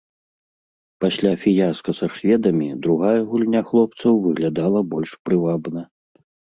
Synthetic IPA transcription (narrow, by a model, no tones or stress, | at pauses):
pasʲlʲafʲijaskɐsɐʂvʲɛd̪ɐmʲid̪ɾuɣajɐɣulʲnʲaxlˠɔp̚t̪sɐwvɨɣlʲad̪alˠɐbɔlʲʂpɾɨvabnɐ